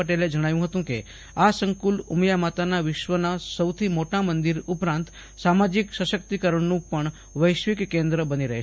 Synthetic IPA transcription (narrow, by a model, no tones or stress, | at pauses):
əʈeled͡ʒəɽ̃aʋjũɦət̪ũkḛ | asəŋkulumjamat̪anaʋɪʃʋənasəwt̪ʰimoʈamənd̪iɾupɾãnt̪ | samad͡ʒiksəʃək̚t̪ikəɾəɳnũpəɳ | ʋəjʃʋikːẽnd̪ɾəbəniɾəɦe